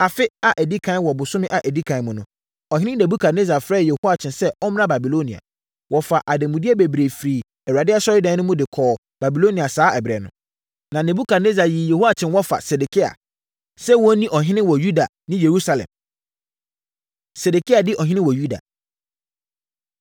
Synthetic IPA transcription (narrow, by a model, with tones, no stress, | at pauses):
a˨fɪ˦a˨ʔæ˨di˦kʰã˨˦n˦wɔ˨bʊ˨sʊ̃˦mɪ̃˦ʔa˨ʔæ˨di˦kʰã˨n˦mʊ̃˨nʊ̃˦ | ɔ˨ɦɪ̃˦ɪ̃˦ne˨bu˦kʰa˨dne˦za˨fɾɛː˦˨jɛ˨hu˦a˨t͡ɕʰɪ̃˨nsɛ˦ɔ˦m˦nã˦ba˨bi˨lo˦nĩ˨a̰˨ | wɔ˨fa˨ʔa˨dɪ̃˨mũ˨di˦ɛ˦be˨bɾe˨fɾiː˨ | ɛ˨wa˨dɪ˦ɛ˦sɔ˦ɾɪ˦dã˨˦nʊ̃˦mʊ̃˦dɪ˨kʰɔː˨ | ba˨bi˨lo˦nĩ˨a˨saː˨˦ɛ˨bɾɛ˨nʊ̰̃˦ | nã˨nɛ̃˨bu˦kʰa˨ne˦za˨jiː˨jɛ˨hu˦a˦t͡ɕʰɪ̃˨nwɔ˦fa̰˨sɛ˨de˨kʰi˦a̰˨ | sɛ˦wɔ˦nĩ˦ʔɔ˨ɦɪ̃˦nɪ̃˦wɔ˨ju˦da˨ | nɪ̃˦je˨ɾu˦sa˨lɛ̰̃˨m | sɛ˨de˨kʰi˦a˨dɪ˦ʔɔ˨ɦɪ̃˦nɪ̃˦wɔ˨ju˦da̰˨